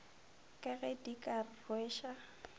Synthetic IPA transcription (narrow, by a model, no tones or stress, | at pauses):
kʼɛɣɛdikʼarrwɛːʃa